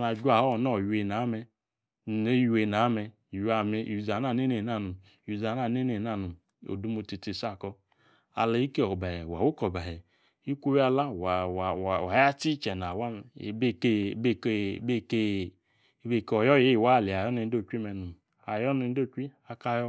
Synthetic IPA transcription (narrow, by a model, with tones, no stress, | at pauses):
na˨d͡ʒʷa˨hɔ˦˨nɔ˦˨ju˨˦e˧˨na˨˦mɛ˧ | ne˦ju˨e˧˨na˨˦mɛ˧˨ | ja˨mɛ˧˨u˧˨za˨na˦˨ne˦ne˨na˦˧˨nu˨ | u˨za˨na˦˨ne˦ne˨na˦˨nu˨ | o̰˨du˦mu˧ti˧ti˨sa˦˨kɔ˧ | a̰˨la˨˦i˦ke˦ɔ˨ba˨hɛ˨wa˨wu˦kɔ˨ba˨ɛ˨ | i˦kʷu˦wa˧la˦˨wa˨wwwa˨˦a˦ti˦t͡ʃɛ˨na˨wa˦mɛ˨be˦ke˦bbe˦˨ke˧˦˨ | be˦˨kɔ˨jɔ˦je˨˦˨wa˦˨le˨a˨jɔ˦ne˧n˦o˦˨kʷi˦mɛ˨nu˨ | a˨jɔ˦ne˨˧n˦do˦˨kʷi˦a˧ka˦jɔ˦